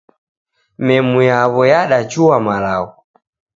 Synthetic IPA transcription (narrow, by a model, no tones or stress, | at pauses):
mɛmujaβɔjaɗat͡ʃuwamalaɔ